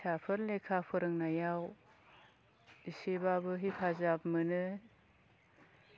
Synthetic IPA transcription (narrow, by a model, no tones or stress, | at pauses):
sʰapʰɯɾlekʰapʰɯɾɯŋnajaw | isebabɯɦipʰazapmɯnɯ